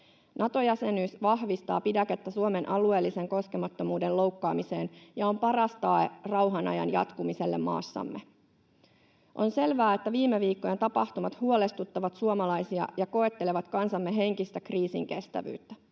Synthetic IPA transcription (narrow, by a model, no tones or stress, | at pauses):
nʔɑt̪o̞jæse̞nyːsʋɑhʋist̪ɑ̰ːpidɑke̞t̪ːæsuome̞nʔɑlue̞ːlːise̞ŋko̞ske̞mɑt̪ːo̞muːde̞lo̞wkːɑ̰ːmise̞ːnjɑo̞mpɑrɑst̪ɑːerɑwɦɑnɑ̰jɑ̰njɑ̰t̪kumise̞lːḛmmɑ̰ːsːɑ̰mːe̞ | ʔo̞nse̞lʋæːe̞t̪ːæʋiːmːeʋiːkːo̞je̞nt̪ɑpɑht̪umɑt̪huo̞le̞st̪ut̪ːɑʋɑt̪suomɑlɑjsiɑ̰jɑko̞e̞t̪ːe̞le̞ʋɑt̪kɑnsɑmːe̞ɦe̞ŋkist̪ækriːsḭŋke̞st̪æ̰ʋy̰ːt̪ːæ̥